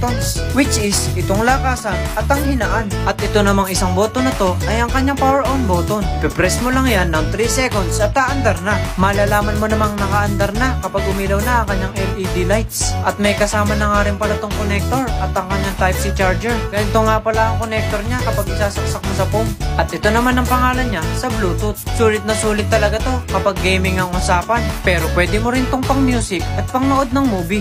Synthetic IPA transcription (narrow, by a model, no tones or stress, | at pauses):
konswɪt͡ʃʔɪsʔɪt̪oŋlaːkaːsɐnʔɐt̪ɐŋhɪnɐʔanʔɐt̪ʔɪt̪o̞nɐmaŋɪsaŋboːt̪onɐt̪o̞ʔɐjɐŋkɐɲːaŋpawɛɹʔonboːt̪onpɪpɾɛsmolaŋjanːɐŋt̪ɾisɛkond̪sʔɐt̪̚kaʔɐnd̪ɐɾnamaːlaːlaːmɐnmonɐmaŋnɐkaʔɐnd̪ɐɾnakɐpaɡ̚ʊmilɐwnaʔɐŋkɐɲːaŋɛlid̪ilajt̪̚sʔɐt̪̚mɐjkɐsaːmɐnɐŋaːɾɪŋpɐlat̪oŋkonɛk̚t̪o̞ɾʔɐt̪ɐŋkɐɲːaŋt̪ajpsit͡ʃaɹd͡ʒɛɹɡɐnɪt̪oŋapɐlaʔɐŋkonɛk̚t̪o̞ɾɲakɐpaɡɪsaːsɐk̚sɐk̚mosɐpomʔɐt̪ɛt̪o̞nɐmanɐŋpɐŋaːlɐnɲasɐbluːt̪ʊsuːlɪt̪̚nɐsuːlɪt̪ːɐlɐɡat̪o̞kɐpaɡːɛjmɪŋɐŋʊsaːpɐnpɛːɾo̞pwɛːd̪ɛmoɾɪnt̪oŋpɐŋmjuːsɪk̚ʔɐt̪̚pɐŋnoʔo̞d̪̚nɐŋmuːbi